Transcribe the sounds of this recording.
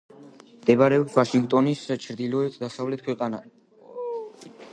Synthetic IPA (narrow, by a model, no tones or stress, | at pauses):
md̪ɛbɾɛɔpsvaʃiŋɡt̪ʼɔnist͡ʃʰɾd̪ilɔɛt̪ʰd̪asavlɛt̪̚ʰkʰwɛqʼana